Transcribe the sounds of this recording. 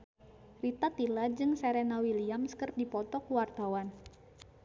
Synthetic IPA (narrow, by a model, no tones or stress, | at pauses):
rit̪at̪ilad͡ʒɨŋsɛɾɛnawiliamskərdipɔt̪ɔkuwart̪awan